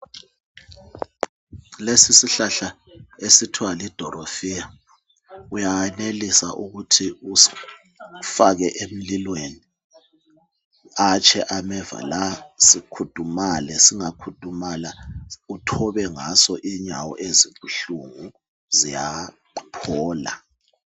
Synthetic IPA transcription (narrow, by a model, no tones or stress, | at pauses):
lesisiɬaɬa | esitʰwalid̥ʱɔɾofija | ujaɛnelisa̰ʔuɣutʰiu | faɣɛʔem̩lilweni | at͡ʃʰʼɛʔamɛva̰lasikʰud̥ʱumalɛsiŋakʰud̥ʱumalautʰɔβɛŋasɔʔiɲawɔ̰ʔeziuɬuŋu | zija | pʰɔːla̰